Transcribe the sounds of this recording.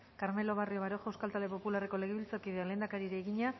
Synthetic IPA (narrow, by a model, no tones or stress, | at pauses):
kaɾme̞lo̞β̞ario̞βaɾo̞xawskalt̪ald̪e̞po̞pulare̞ko̞le̞ɣeβilt͡sakiðeale̞ːnd̪akaɾiɾeːɣiɲa